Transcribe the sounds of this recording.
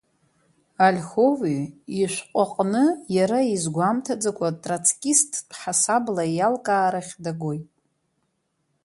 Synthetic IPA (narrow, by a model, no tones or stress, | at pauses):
alʲxo̞viːʃʷqʷʼaqʼnɨjaɾaizɡʷamtʰad͡zakʷʰatʼrat͡sʰkʲʼistʰħasablajalkʼaːɾaχʲdaɡojtʼ